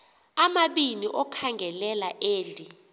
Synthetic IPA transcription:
amaɓiniʔɔkʰaŋɡʱɛlɛlaʔeːɮʱʼi

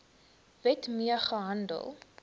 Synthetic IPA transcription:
vɛtmiəχəɦɐndə̰lˠ

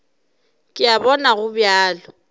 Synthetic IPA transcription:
kʼɪabɔnaɣʊbjaːlɔ

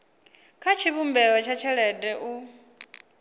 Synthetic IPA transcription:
kʰat͡ʃʰiβumbɛwɛt͡ʃʰat͡ʃʰɛɺɛdɛʔu

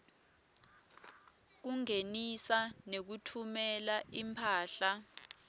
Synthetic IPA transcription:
k̬uŋenisanek̬utʰumɛlaʔimpʰaːɬa

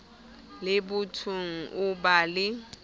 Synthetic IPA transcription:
lɪbʊtʰʊŋ̩ʔʊbalɪ

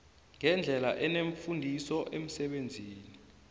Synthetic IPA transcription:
ŋɛnd͡ɮʱɛlaʔɛneɱfundʱisɔʔem̩sɛɓend͡zʱiːni

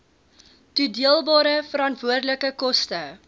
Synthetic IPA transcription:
tudiəlˠbɑːɾəfəɾɐntvuərdələkəkɔstə

